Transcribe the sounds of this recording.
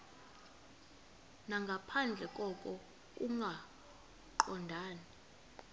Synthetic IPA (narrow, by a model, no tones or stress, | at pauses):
naŋɡʱapʰand͡ɮʱɛkʼɔkʼɔ | kʼuŋɡʱa | ǃɔndʱaːni